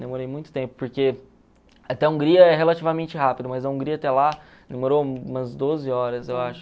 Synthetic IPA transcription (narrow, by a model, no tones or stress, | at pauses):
d̪emoɾejmũj̃t̪ʊ̥t̪ẽpʊ̥poɾke | ɐt̪ɛɐũŋɡɾiɐɛɦelat͡ʃivɐmẽnt͡ʃɪɦapid̪ʊmɐzɐũŋɡɾiɐt̪ɛla | d̪emoɾoũmɐzd̪ozɪɔɾɐsewaʃʊ̥